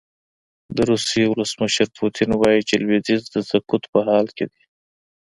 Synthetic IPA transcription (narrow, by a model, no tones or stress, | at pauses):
d̪əɾusewʊləsməʃəɾpʰut̪ʰɪnwɑjit͡ʃelwid̪izd̪əzakut̪pəɦɑlked̪i